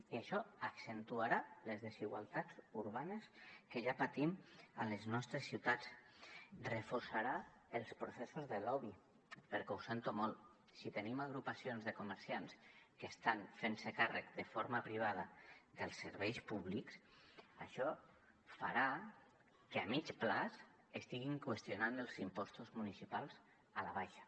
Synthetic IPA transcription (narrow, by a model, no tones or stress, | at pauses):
iaʃɔaksent̪uaɾalezðeziɣwalˠt̪ad͡zuɾβaneskeʒapat̪imaleznɔst̪ɾesːiwt̪at͡s | rəfoɾsaɾa | əlˠspɾosesozðəlɔβi | pəɾkɛwsent̪umɔlˠ | sit̪ənimaɣ̞ɾupasionzðəkuməɾsianskest̪anfensekarə̰kd̪əfoɾmapɾiβ̞að̞aðəlˠsə̰ɾβɛjspuβliks | aʃɔ | fa̰ɾa | keamit͡ʃplas | est̪iɣiŋkwest̪jonanəlˠzimpɔst̪uzmunisipalˠz | alaβajʃḁ